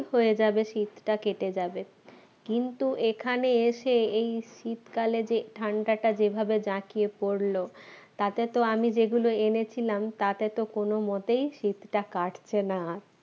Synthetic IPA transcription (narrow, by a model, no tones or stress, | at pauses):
hoed͡ʑabeʃit̪ʈakeʈed͡ʑabe | kint̪uʔekʰaneeʃeejʃit̪kaled͡ʑeʈʰaɳɖaʈad͡ʑebʱabed͡ʑãkijepoɾlot̪at̪et̪oamid͡ʑeɡuloenet͡ɕʰilamt̪at̪et̪okonomot̪ejʃit̪ʈakaʈt͡ɕʰenaɾ